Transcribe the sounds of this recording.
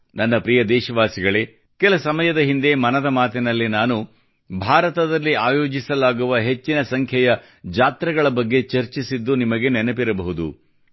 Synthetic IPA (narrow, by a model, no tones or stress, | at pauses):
nɐnːɐpɾijɐd̪ɛːʃɐʋaːsiɡɐɭe | kɛlɐsɐmɐjɐd̪ɐɦind̪e̞mɐnɐd̪ɐmaːt̪inɐlːinaːnu | bʱaːɾɐt̪ɐd̪ɐlːiaːjo̞ːd͡ʒisɐlaːɡuʋɐɦe̞t͡ʃːinɐsɐŋkʰjɐjɐ | d͡ʒaːt̪ɾɐɡɐɭɐbɐɡːe̞t͡ʃɐɾt͡ʃisid̪ːunimɐɡe̞nenepiɾɐbɐɦud̪ṵ